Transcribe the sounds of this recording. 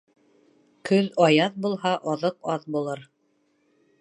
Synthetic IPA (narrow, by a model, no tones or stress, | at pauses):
kɵðɑjɑðbulˠhɑʔɑðɤqɑðbulˠɤɾ